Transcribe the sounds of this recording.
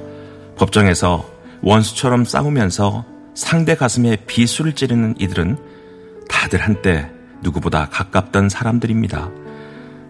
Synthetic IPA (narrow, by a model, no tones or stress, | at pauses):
pʌp̚t͡ɕ͈ʌŋe̞sʰʌ | wʔʌnsʰu̥t͡ɕʰʌɾʌms͈a̰umjʌnsʰʌ | sʰaŋde̞ɡasʰɯme̞pisʰuɾɯɭt͡ɕ͈iɾɯnɯnidɯɾɯn | tadɯɭhant͈e̞ | nuɡuboda̰kak̚k͈ap̚t͈ʌnsʰaɾamdɯɾimɲida̰